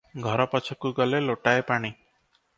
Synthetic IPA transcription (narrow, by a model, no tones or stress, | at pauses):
ɡʱɔɾɔpɔt͡ʃʰɔkuɡɔleloʈaepaɽ̃i